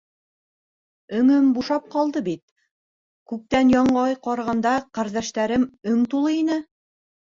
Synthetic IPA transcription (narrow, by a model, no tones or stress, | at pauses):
ɵ̆ŋɵmbuʃɑp̚qɑlˠd̪ɤbit̪̚ | kʉk̚t̪ænjɑɴɑjqɑɾʁɑnd̪ɑqæɾðæʃt̪æɾɘmɵŋt̪ulˠɤinɘ